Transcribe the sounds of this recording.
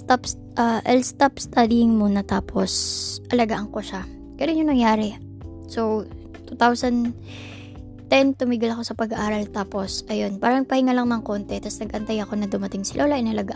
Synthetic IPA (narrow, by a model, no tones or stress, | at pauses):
t̪ap | ʔɐʔɛlst̪apst̪ad̪ɪjɪŋmonɐt̪aːpʰo̞sʔɐlɐɡaʔɐŋko̞ʃa | ɡ̥ɐloɲɲoŋnɐŋjaːɾɛ | sow | t̪ut̪awsɐnd̪ | t̪ɛnt̪ʊmiɡɪlɐko̞sɐpɐɡɐʔaːɾɐlt̪aːpo̞sʔɐjo̞npaːɾɐnɐɡ̚pɐhɪŋalɐŋnɐŋko̞nt̪ɛt̪ɐsnɐɡʔɐnt̪ajɐko̞nɐd̪ʊmɐt̪ɪŋsɪlʔoːlɐʔɪnɐlɐɡaʔ